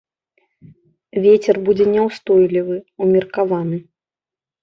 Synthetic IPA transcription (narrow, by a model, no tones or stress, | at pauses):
vʲet͡sʲɛrbud͡zʲɛnʲɛwst̪ɔjlʲivɨumʲirkavanɨ